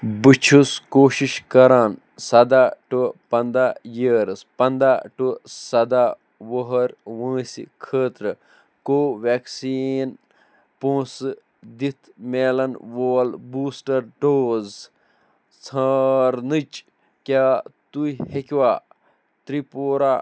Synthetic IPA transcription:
bɨt͡ʃʰuskoːʃiʃkɐɾaːn | sɐd̪aːʈopɐnd̪aːjiɾspɐnd̪aːʈosɐd̪a | ʋoɦɐɾʋɨ̃ːsḭkʰəːt̪ɾɨ | koːʋeːksin | põːs | d̪it̪ʰmeːlɐnʋoːlbuːsʈɐɾɖoːz | t͡sʰɐɾnɨt͡ʃ | kʲaːt̪uihekʲʋaː | t̪ɾipoːɾaː

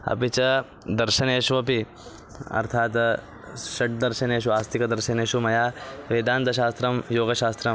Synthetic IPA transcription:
ɐ̰pit͡ʃɐ | d̪ɐɾʃɐneːʃʋɐpi | ɐ̰ɾt̪ʰaːt̪ | ʃɐʈ̚d̪ɐɾʃɐneːʃ̬uaːst̪ʰikɐd̪ɐɾʃɐneːʃumɐjaːʋeːd̪aːnt̪ɐʃaːst̪ɾɐmjoːɡɐʃaːst̪ɾɐm

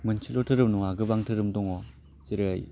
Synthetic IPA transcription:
mɯnt͡ʃʰilotʰɯɾɯmnuŋaɡɯbaŋtʰɯɾɯmdɔŋɔ | ziɾɯaj

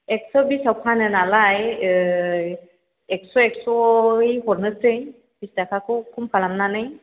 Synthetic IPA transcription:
ɛksɔbisawpʰanɛnalaj | ɛksɔɛksɔhɔɾnɯsej | b̥istakʰakɔkʰumpʰalamnanaj

